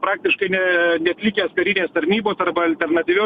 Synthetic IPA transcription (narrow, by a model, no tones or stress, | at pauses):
pɾɑːk̚t̪ʲɪʃkɐɪnʲɛnʲɛɐt̪ʲlʲɪkʲeːskɐɾʲɪnʲeːst̪ɐɾʲnʲiːboːsɐrbɐɐlʲt̪ʲɛɾnɐt̪ʲiːʋʲoː